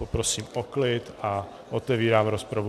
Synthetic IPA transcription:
opɾosiːmoklɪt̪a | ʔot̪ɛviːɾaːmɾospɾavu

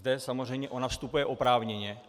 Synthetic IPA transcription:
d̪ɛsamor̝ɛjmɲɛʔo̞nafst̪upujɛʔo̞pɾaːvɲɛɲɛ

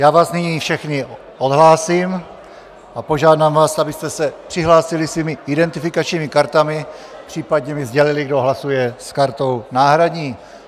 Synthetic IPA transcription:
jaːvaːsniɲiːfʃɛxnɪ | ʔod̪ɦlaːsiːm | ʔapo̞ʒaːdamvaːsabɪst̪ɛsɛpr̥ɪɦlaːsɪlɪsviːmɪɪdɛnt̪ɪfɪkat͡ʃɲiːmɪkaɾt̪amɪpr̥iːpadɲɛmɪzɟɛlɪlɪɡdo̞ɦlasujɛskaɾt̪o̞wnaːɦɾadɲiː

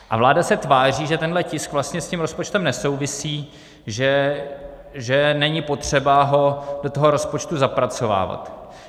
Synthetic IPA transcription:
ʔa̰vlaːdasɛt̪vaːr̝iːʒɛt̪ɛnɦlɛcɪskvlast̪ɲɛscimɾo̞spot͡ʃt̪ɛmnɛso̞wvɪsiː | ʒɛ | ʒɛnɛɲɪpo̞t̪r̝̥ɛbaɦo̞dot̪oɦo̞ɾo̞spo̞t͡ʃt̪uzapɾat͡so̞va̰ːva̰t̪

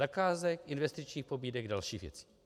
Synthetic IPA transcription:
akaːzɛkʔɪnvɛst̪ɪt͡ʃɲiːxpo̞biːdɛɡdalʃiːɣvjɛ̰t͡si̥

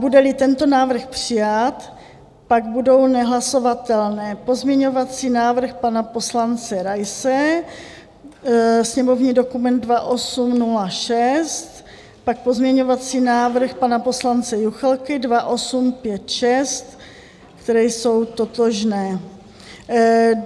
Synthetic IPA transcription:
budɛlɪt̪ɛnt̪o̞naːvr̩xpr̥ɪjat̪ | paɡ̚budo̞wnɛɦlaso̞vat̪ɛlnɛːpo̞zmɲɛɲo̞vat͡siːnaːvr̩xpanapo̞slant͡sɛɾajsɛ | sɲɛmo̞vɲiːdo̞kumɛnd̪̚dvaʔo̞sumnulaʃɛst̪ | pak̚pozmɲɛɲo̞vat͡siːnaːvɾ̩xpanapo̞slant͡sɛjuxlkɪdvaʔo̞sumpjɛt̪ʃɛst̪ | kt̪ɛɾɛjso̞wt̪ot̪oʒnɛː

